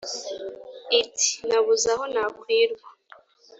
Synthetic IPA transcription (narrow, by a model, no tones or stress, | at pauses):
itʰi̥naβuzaɦo̞naːkwiːɾɡwa